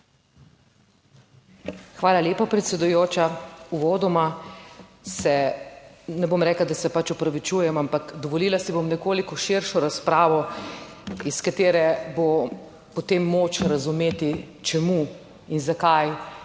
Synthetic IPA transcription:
xʋaːlalʲeːpapɾɛt̪sʲɛd̪ujoːt͡ʃauʋoːd̪ɔma | sɛ | nɛbomɾɛːklad̪asɛpat͡ʃɔpɾaʋit͡ʃuːjɛmampakd̪ɔʋɔliːlasibomnɛkoːlikɔʃiɾʃɔɾaspɾaːʋɔ | iskat̪eːɾɛbo | pɔt̪emːot͡ʃɾazumeːt̪i | t͡ʃɛmu | inzakaj

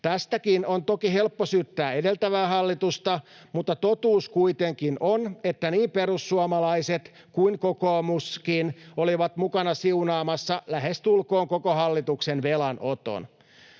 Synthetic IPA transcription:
t̪æst̪ækinont̪okihe̞lpːosyːt̪ːæːede̞lt̪æʋæːɦɑlːit̪ust̪ɑmut̪ːɑt̪ot̪uːskuit̪eŋkinʔonet̪ːæniːmpeɾusːuɑmɑlɑiset̪ | kuiŋkokoːmuskinoliʋɑt̪mukɑnɑsiunɑːmɑsːɑlæɦest̪ulko̞ːŋkokoɦɑlːit̪uksenʋelɑnot̪o̰n

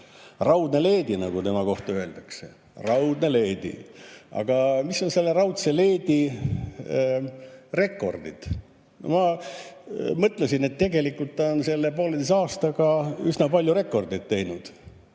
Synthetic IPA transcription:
rɑwd̪nele̞ːd̪inɑɡut̪e̞mɑko̞ht̪ɑøe̞ld̪̥ɑksḛ | rɑwd̪nele̞ːd̪ḭɑ̰ɡ̥ɑmiso̞nse̞lːe̞rɑwt̪se̞le̞ːd̪̥i | re̞kːˑo̞rd̪̥ḭd̪̥ | mɑ | mɤt̪ːˑlesinet̪ːe̞ɡe̞likːult̪ːonse̞lːepo̞ːled̪es̬ɑːst̪ɑɡɑyznɑpɑlʲjure̞kːˑo̞rd̪id̪̥̚t̪ːe̞jnud̪̥

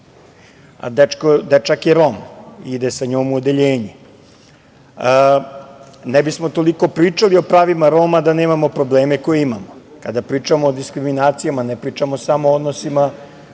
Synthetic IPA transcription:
a̰d̪et͡ʃkod̪et͡ʃakjeɾo̞mid̪esaɲoːmuod̪eʎeːɲi | nebismo̞t̪o̞liko̞pɾiːt͡ʂalio̞pɾaːʋimaɾo̞mad̪aneːmamo̞pɾo̞ble̞ːme̞ko̞jeimamo | kad̪apɾiːt͡ʂamoːd̪iskɾiminaːt̪sijamanepɾiːt͡ʃamo̞samood̪nosima

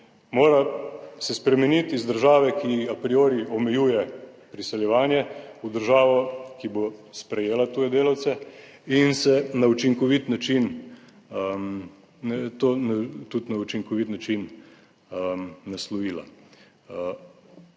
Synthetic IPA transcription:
moːɾasɛspɾɛmɛnit̪izd̪əɾʒaːʋɛkiapɾioːɾiɔmɛjuːjɛpɾisɛljɛʋaːnjɛud̪əɾʒaːʋɔkibospɾɛjeːlat̪uːjɛd̪eːlawt̪sɛ | insɛnaut͡ʃiŋkɔʋit̪nat͡ʃin | t̪oːnat̪ut̪naut͡ʃiŋkɔʋit̪nat͡ʃin | aslɔjiːla̰

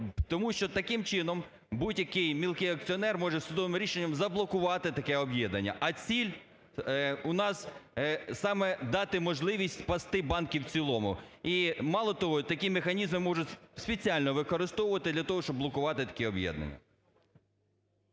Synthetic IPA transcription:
t̪ɔmuʃt͡ʃɔt̪ɐkɪmt͡ʃɪnɔm | budʲjɐkɪjmʲilˠkɪjɐk̚t͡sʲiɔnɛrmɔʒɛsʊd̪ɔʋɪmɾʲiʃenʲːɐmzɐblˠɔkʊʋɑt̪ɪt̪ɐkɛɔbjɛd̪nɐnʲːɐ̰ʔɐt͡sʲilʲ | ʊnɑs | sɑmɛd̪ɑt̪ɪmɔʒlˠɪʋʲisʲtʲpɐst̪ɪbɑnkʲiwt͡sʲilˠɔmʊ̰imɑlˠɔt̪ɔɦɔt̪ɐkʲimexɐnʲizmɪmɔʒʊtʲspet͡sʲiɑlʲnɔʋɪkɔɾɪst̪ɔwʊʋɐt̪ɪd̪lʲɐt̪ɔɦɔʃt͡ʃɔblˠɔkʊʋɑt̪ɪt̪ɐ̥kɛɔbjɛ̰d̪nɐ̰nʲːɐ̰

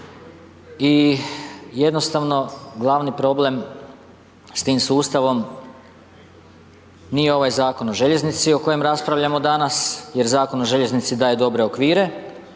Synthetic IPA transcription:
i | je̞d̪no̞st̪aʋno̞ɡlˠaʋnipɾo̞ble̞m | st̪iːmsuːst̪aʋo̞m | nije̞o̞ʋajzaːko̞no̞ʒe̞ʎe̞znit̪sio̞ko̞je̞mɾaspɾaʋʎamo̞d̪anasje̞ɾzaːko̞no̞ʒe̞ʎe̞znit̪sid̪aːje̞d̪o̞bɾe̞o̞kʋiːɾe̞

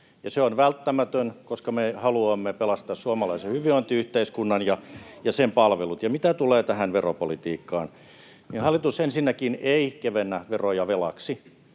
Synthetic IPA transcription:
jɑseonʋælt̪ːæmæt̪ønkoskɑmehɑluɑmːepelɑst̪ɑssuɑmɑlɑisehyʋiont̪iyht̪eiskunːɑnjɑjɑsempɑlʋelut̪jɑmit̪æt̪uleːt̪æhænʋeropolit̪iːkːɑːn | ninhɑlːˑit̪usensinːækineikeʋenːæʋerojɑʋelɑksi

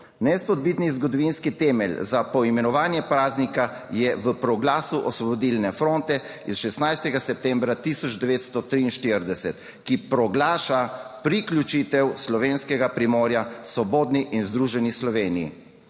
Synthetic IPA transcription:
nɛspɔd̪̚bit̪nizɡɔd̪ɔʋinskit̪ɛmɛlzapɔimɛnɔʋaːnjɛpɾaːznika | jɛʋəpɾɔɡlaːsuʔɔsʋɔbɔd̪ilnɛfɾont̪ɛ | isʃɛsnajst̪ɛɡasɛp̚t̪ɛmbɾat̪isɔd͡ʒd̪ɛʋeːt̪st̪ɔt̪ɾiːnʃt̪iɾd̪ɛsɛt̪ | kipɾɔɡlaːʃapɾiklʲut͡ʃit̪ɛwslɔʋeːnskɛɡapɾimɔːɾjasʋɔboːd̪niʔinzd̪ɾuʒɛnislɔʋeːnijḭ

